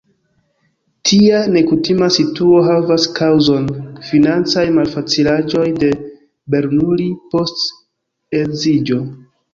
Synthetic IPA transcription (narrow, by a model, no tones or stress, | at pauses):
tʰiane̞kutimasituo̞ɦavaskʰawzo̞nfinant͡sajmalfat͡silaʒo̞jde̞ | be̞ɾnulipo̞st | ezid͡ʒo̞